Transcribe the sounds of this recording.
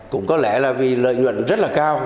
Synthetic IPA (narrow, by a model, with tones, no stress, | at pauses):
kʊ̰˧˥ŋ͡mkɔ˨˦lɛ˧˩laː˨˩vi˨˩lə̰ː˧˨jɲwə̰˧˨nzə˦˥t̚laː˨˩kaː˧w